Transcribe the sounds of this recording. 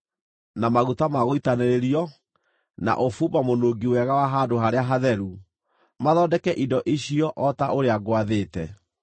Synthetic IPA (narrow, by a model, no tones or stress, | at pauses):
namaɣutamaɣoitaneɾeɾiɔ | na̰ʔofuːbamonoɡiwɛɣawaɦadohaɾeaɦaðɛɾu | maðɔːdɛkɛʔidɔʔiɕiɔʔɔtaʔoɾeaɡwaðeːtɛ